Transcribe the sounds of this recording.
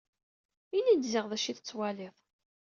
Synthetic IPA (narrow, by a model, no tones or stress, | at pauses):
inid̪zɪʁðæʃiθət͡sːwæliðˤ